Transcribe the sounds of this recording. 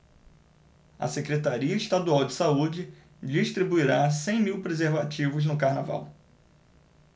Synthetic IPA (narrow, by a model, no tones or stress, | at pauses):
ɐ̰sekɾet̪aɾiɐiʃt̪ad̪uawd͡ʒɪsaud͡ʒɪ | d͡ʒiʃt̪ɾibuiɾasẽj̃miwpɾezeɾvat͡ʃivʊznʊkahnava̰w